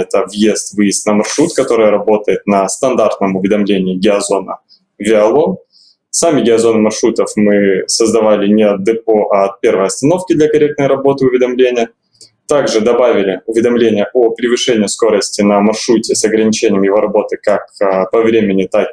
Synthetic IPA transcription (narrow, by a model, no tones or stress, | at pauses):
ɛt̪əvjest̪vɨjɪst̪nəmɐrʂɾut̪kɐt̪o̞ɾɨjəɾɐbo̞t̪əjɪt̪̚nəst̪ɐnd̪art̪nəmʊvʲɪd̪ɐmlʲenʲɪɪɡʲɪɐzo̞nə̰ | vʲɪɐlˠo̞n | samʲɪɡʲɪɐzo̞nɨmɐrʂɾut̪əfmɨsəzd̪ɐvalʲɪnʲɪɐd̪ɨp̚oʔɐɐt̪̚pʲe̞rvəjɐst̪ɐno̞fkʲɪd̪lʲɐkɐɾʲe̞kt̪nəjɾɐbo̞t̪ɨʊvʲɪd̪ɐmlʲenʲɪjə | t̪aɡʐɨd̪ɐbavʲɪlʲɪʊvʲɪd̪ɐmlʲenʲɪjəʔopɾʲɪvɨʂɛnʲɪjəsko̞ɾəsʲtʲɪnəmɐrʂɾutʲɪsɐɡɾənʲɪt͡ɕenʲɪjəmjɪvo̞ɾɐbo̞t̪ɨkakpɐvɾʲemʲɪnʲɪt̪ak